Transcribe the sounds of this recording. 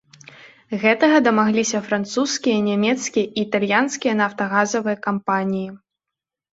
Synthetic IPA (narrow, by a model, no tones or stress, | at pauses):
ɣɛt̪ɐɣɐd̪ɐmaɣlʲisʲɐfɾant̪suskʲijɐnʲamʲɛt̪skʲijɐʔiːt̪alʲjanskʲijɐnaft̪ɐɣazɐvɨjɐkampanʲiji